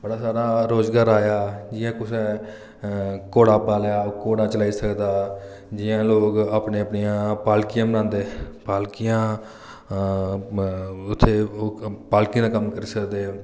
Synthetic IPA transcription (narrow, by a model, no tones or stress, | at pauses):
bəɽaːsaːɾaːɾoːzɡaːɾaːjaːd͡ʒɪjãːkʊsɛː | koːɽaːpaːljaːkoːɽãːt͡ʃəlaːiːsəkd̪aː | d͡ʒɪjãːloːkaːpneːəpnijãːpaːlkijãːbəɾnãːnd̪eːpaːlkijãː | ʊt̪ʰːeːpaːlkĩãd̪aːkəmkəɾiːsəkd̪eː